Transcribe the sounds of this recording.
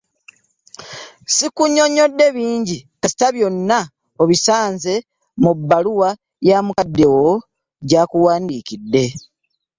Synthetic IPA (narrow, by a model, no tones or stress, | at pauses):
sikuɲːo̞ɲo̞dːe̞βiːɲɟikasi̥taβjo̞nːa | oβisaːnze̞ | mubːaluwa | jaːmukadːe̞wo | ɟaːkuwaːndiːkidːe̞